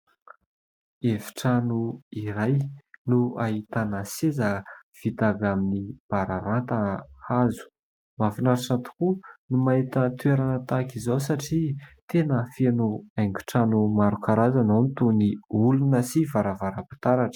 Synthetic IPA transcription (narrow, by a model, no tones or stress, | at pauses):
evi̥ʈ͡ʂanuiɾajnuaɦit̪anasezəv̥it̪aɡaminib̥aɾaɾant̪aazu̥ | mafinaɾiʈ͡ʂat̪u̥kunumait̪ət̪ueɾanət̪akizowsaʈ͡ʂit̪enəfenuajŋɡu̥ʈ͡ʂanumaɾukʰaɾazanonit̪uniulunəsivaɾavaɾapi̥t̪aɾaʈ͡ʂə̥